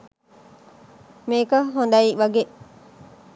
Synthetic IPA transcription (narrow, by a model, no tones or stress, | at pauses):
meːkɐɦond̪ɐiʋɐɡe